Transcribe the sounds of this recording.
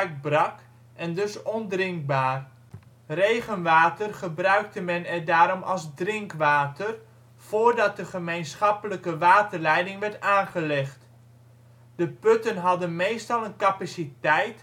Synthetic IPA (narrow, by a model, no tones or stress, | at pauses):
k̚brɑk | ʔɛndɵsɔndrɪŋk̚baːr | rejχənʋaːtərχəbrœɥk̚təmɛnɛrdaːɾɔmʔɑ̰lˠzdrɪŋkʋaːtər | v̥oːrdɑt̚dəχəmejnsχɑpələkəʋaːtərlɛjdɪŋʋɛɹtaːnχəlɪχt | d̥əpɵtənɦɑdənmejstɑlˠənkapasitɛjt